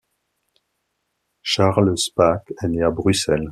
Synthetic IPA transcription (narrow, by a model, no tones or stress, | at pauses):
ʃaʁlspakɛneabʁysɛl